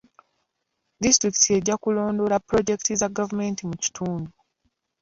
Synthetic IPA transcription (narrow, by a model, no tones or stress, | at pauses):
distɾiki̥tʰie̞ɟakulo̞ːndo̞lapɾo̞ɟe̞ki̥tizaɡavume̞ntimuci̥tʰuːndu